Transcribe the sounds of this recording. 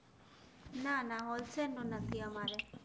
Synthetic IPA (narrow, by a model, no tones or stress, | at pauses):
nanaɦɔlsɛnɔnat̪iamaɾɛ